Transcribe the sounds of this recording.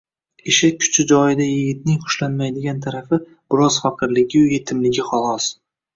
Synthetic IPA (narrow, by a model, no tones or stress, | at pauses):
ɪʃɪkʲʰʊ̥t͡ʃʰɪd͡ʒɒjɪd̪ajɪɡʲɪt̪̚nɪŋqʊ̥ʃlanmajd̪ɪɡʲant̪ʰaɾafɪ | b̥ɪɾɒz̥faqʰɨɾlɪɡʲɪʊje̞t̪ʰɪmlɪɡʲɪχɒlˠɒs